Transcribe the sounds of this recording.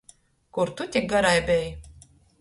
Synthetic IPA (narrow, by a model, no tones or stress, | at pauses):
kuɾt̪ut̪ʲiɡaɾajbʲɛj